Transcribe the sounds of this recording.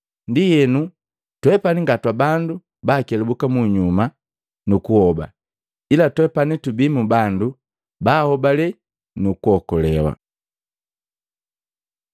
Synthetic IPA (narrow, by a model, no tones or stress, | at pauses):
ndijɛnu | twɛpaniŋɡatwabandu | baːkɛlɛbukamuɲuma | nukuhɔba̰ | ilatwɛpanitubimubandu | baːhɔbalɛ | nukuɔkɔlɛwa̰